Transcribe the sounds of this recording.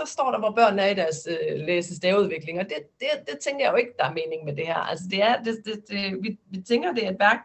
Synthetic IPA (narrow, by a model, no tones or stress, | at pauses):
sɒ̽sd̥ɒ̰ːɾ̥ɑ̈ʋɒb̥ɶɐ̰næɐid̥æɐsøleːsəsd̥ɛːuð̞ˠʋe̝ɡ̥le̝ŋɒ̽d̥e̝d̥e̝d̥e̝t͡sʰeŋɡ̥ɐjɑ̈jo̝e̝ɡ̥əd̥ɑ̈æɐme̝ːne̝ŋmed̥e̝hæ̰ɐ̰æls̬əd̥e̝æɐd̥ed̥e̝̥ʋiʋit͡sʰeŋɡ̥ɐd̥e̝æd̥ʋæɐɡ̥